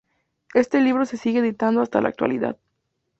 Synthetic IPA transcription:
e̞st̪e̞liβ̞ɾo̞se̞siɣeːðit̪and̪oast̪alʔa̰ːk̚t̪wa̰liða̰ð

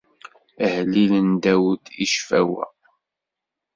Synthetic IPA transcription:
əhlilənd̪æwd̪iʃfæwæ̰

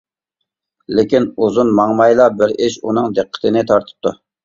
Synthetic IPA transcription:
lɪkʲinuzunmɑŋmɑjlˠɑbɪɾɪʃunɨŋd̪əqʰːə̥t̪ʰɨnɪt̪ʰɑɾt̪ʰə̥p̚t̪ʰu

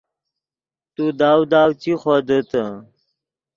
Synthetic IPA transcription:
t̪ud̪aːwd̪aːwt͡siχod̪ət̪ə

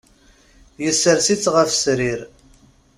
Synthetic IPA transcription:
jəsːəɾsit͡sːʁəfsɾiɾ

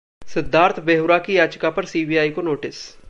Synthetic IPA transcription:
sɪd̪ʱaːɾt̪ʰbeːɦʊɾaːkijaːd͡ʒkapəɾsiːbiːaːikonoːʈɪs

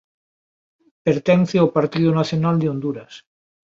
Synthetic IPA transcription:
peɾt̪enθeopaɾt̪iðonaθjonald̪eond̪uɾas

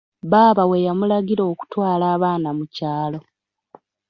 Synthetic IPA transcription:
βaːβawe̞jamulaɟiɾo̞ːku̥twaːlaːβaːnamucaːlo̞

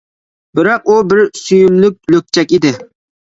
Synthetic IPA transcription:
bɪɾɑq̚ubɪɾsyjyllyk̚ʲløk̚ʲt͡ʃʰɛkʲid̪ɪ

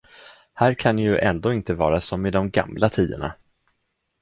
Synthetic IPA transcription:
hæːɾkʰanjɵʔɛnd̪oːɪnt̪əvɑːɾasɔmːɪd̪ɔmɡa̰mlat̪ʰiːd̪ə̰ɳa̰

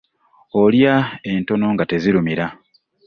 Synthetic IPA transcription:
o̞ljae̞nto̞no̞ŋɡate̞ziɾumiɾa

